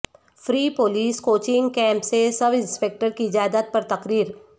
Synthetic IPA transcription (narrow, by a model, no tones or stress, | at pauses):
fɾiːpoːliːskoːt͡ʃɪ̃ŋɡkɛ̃ːmpsesɐbɪ̃nspeːk̚ʈəɾkiɪd͡ʒaːd̪at̪̚pɐɾt̪ɐqɾiːɾ